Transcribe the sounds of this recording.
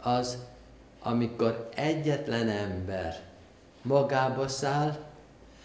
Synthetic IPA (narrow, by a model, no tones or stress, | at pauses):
ɒz | ʔɒ̰miko̞ɾɛɟːɛt̪lɛnɛmbɛ̰r | mɒɡaːbɒsaːl